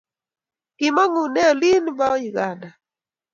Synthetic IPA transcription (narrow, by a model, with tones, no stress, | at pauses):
kɪ˨ma˦ŋu˨nɛ˦ɔ˨li˦nba˦ɔ˦ji˨ɡa˨na˨